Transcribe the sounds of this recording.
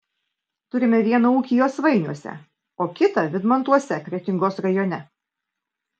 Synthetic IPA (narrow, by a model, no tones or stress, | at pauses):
t̪ʊɾʲɪmʲɛʋʲiɛnɐuːkʲɪjoːsʋɐɪnʲuɔsʲɛ̰ | oːkʲɪt̪ɐʋʲɪd̪mɐnt̪uɔsʲɛkɾʲɛt̪ʲɪŋɡoːsɾɐjoːnʲɛ